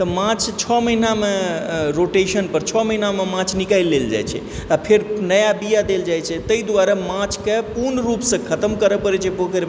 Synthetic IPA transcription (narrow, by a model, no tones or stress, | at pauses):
t̪ɔmãt͡ʃʰt͡ʃʰɔməɦinameɾoʈesənpəɾt͡ʃʰɔməɦinamemãt͡ʃʰnikajlːeld͡ʒa̰jt͡ʃʰɛ̰ | apʰeɾnəjabijad̪eld͡ʒajt͡ʃʰɛt̪əid̪waɾamãt͡ʃʰkepuɾnɾupsə̃kʰət̪əmkəɾəpəɾɛt͡ʃʰɛbokəɾ